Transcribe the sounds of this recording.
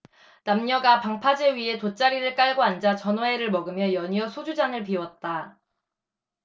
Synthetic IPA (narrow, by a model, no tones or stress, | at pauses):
namɲʌɡapaŋpʰad͡ʑeɥiɦe̞tot͡ɕ͈aɾiɾɯɭk͈aɭɡoand͡ʑat͡ɕʌnwʌe̞ɾɯɭmʌɡɯmjʌjʌɲiʌsʰod͡ʑud͡ʑaŋɯɭp̬iwʌt̚t͈a